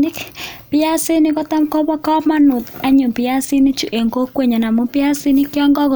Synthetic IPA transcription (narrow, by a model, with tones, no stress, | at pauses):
kpɪ˦a˦sɪ˦nɪ˦kɔ˦t̪a˦mkɔ˦bɔ˦kɔ˦ma˦nʊ˨ka˦ɲʊ˨pɪ˨ja˦sɪ˦nɪ˦t͡ʃu˨ʔe˨ŋɡo˦kwe˨ɲa˨na˨mo˦pɪ˦a˦sɪ˦nɪ˦kjɔ˦ŋɡɔ˦ko˨